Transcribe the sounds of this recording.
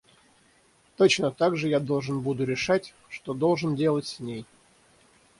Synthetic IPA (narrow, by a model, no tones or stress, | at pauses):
t̪o̞t͡ɕnət̪aɡʐɨjad̪o̞lˠʐɨnbud̪ʊɾʲɪʂatʲ | ʂt̪od̪o̞lˠʐɨndʲe̞lˠətʲsʲnʲej